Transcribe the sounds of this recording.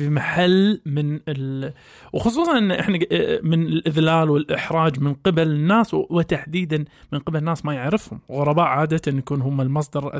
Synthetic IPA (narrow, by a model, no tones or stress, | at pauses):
imaħalːmɪnɪ | wxʊsˤuːsˤɑnʔɪnːaʔɪħnamɪnɪlʔɪðlaːlwɪlʔɪħɾˤɑːd͡ʒmɪnqɪbalɪnːaːswɪt̪aħd̪iːd̪anmɪnqɪbalnːaːsmajɪʕɾɪfhʊmɣʊɾˤɑbaːʔʕaːd̪aɪnjakuːnɦʊmːalmɑsˤd̪ɑɾˤʔa̰